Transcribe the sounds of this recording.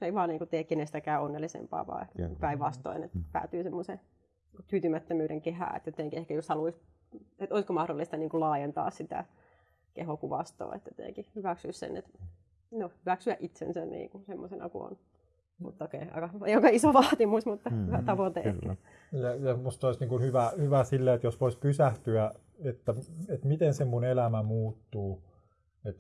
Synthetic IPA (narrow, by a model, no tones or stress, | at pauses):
eiʋɑːniːŋkut̪eːkkenest̪ækæːonːelːisḛmpɑ̰ːʋɑ̰ːehkæiŋkupæiʋʋɑst̪o̰inḛt̪pæ̰ːt̪yːsemːose | t̪yːt̪ymæt̪ːømyːɾeŋkehæ̰ːḛt̪jot̪eŋkiehkæjoshɑluis | et̪oiskomɑhdolːist̪ɑniːŋkulɑːjent̪ɑ̰ːssit̪æ̰ | kehokuʋɑst̪o̰ːḛt̪ːæt̪ḛːkihyʋæksyːssḛnːḛt̪ | nohyʋæksyæʔit̪sḛnsænnḭːŋkunsemːosenɑ̰kṵo̰n | mṵt̪ːɑokeiɑ̰ikɑjokɑisoʋɑːt̪imusmut̪ːɑyhæt̪ɑʋot̪ḛːkːi | jɑjɑmust̪oisniːŋkunhyʋæhyʋæsilːeet̪josʋoispysæht̪yæ | et̪ːæet̪mit̪ensemmunelæmæmuːt̪ːuː | et̪